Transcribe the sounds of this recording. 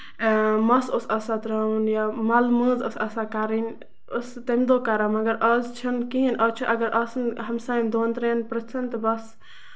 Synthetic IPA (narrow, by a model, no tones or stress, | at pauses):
mɐsosɐsat̪ɾɐunjamɐlmɨːzɐsɐsakaɾinʲ | ost̪ɐmd̪oːkaɾamɐɡɐɾɐːzt͡ʃʰɐnkiɦinʔɐːt͡ʃʰuʔɐɡɐɾʔɐsnɦɐmsaːimd̪oːnt̪ɾeːnpɾɐt͡sʰɐnt̪ɐbɐs